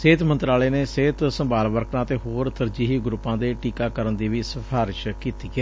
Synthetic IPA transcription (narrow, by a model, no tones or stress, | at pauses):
seːt̪mə̃nt̪ɾaːleːneːseːt̪səmbaːlʋəɾknãːt̪eːɦoːɾt̪əɾd͡ʒiːɦiːɡɾʊpːãːd̪eːʈiːkaːkəɾənd̪iːʋiːsəpʰaːɾɪʃkiːt̪iːɛː